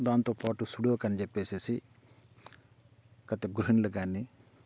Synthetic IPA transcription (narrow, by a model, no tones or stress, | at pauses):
d̪aːnt̪opɔʈusuɽjokɐnd͡ʒepesesi | kɐt̪eɡɾuɦinlɐɡanːi